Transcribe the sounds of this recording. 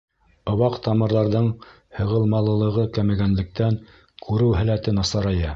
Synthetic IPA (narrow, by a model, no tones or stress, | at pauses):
ŏwɑqt̪ɑmɤ̆ɾðɑɾðɤɴ | hɤ̆ʁɤ̆lˠmɑlˠɤ̆lˠɤ̆ʁɤkæmɘɡænlɘ̆k̚t̪æŋ | kʰʉɾɘwɦælæt̪ɘnɑsɑɾɑjɑ